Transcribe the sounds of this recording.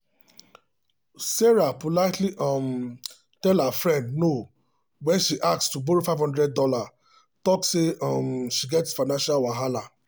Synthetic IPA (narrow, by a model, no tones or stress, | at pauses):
sɛɹapolaɪtliʔɔ̃m | tɛlafɹɛ̃ndno | wɛ̃nʃiʔak̚tstuboɾifaɪvhɔ̃ndɹɛd̚dɔla | tɔkseɔ̃mʃiɡɛtsfaɪnãnʃalwaɦala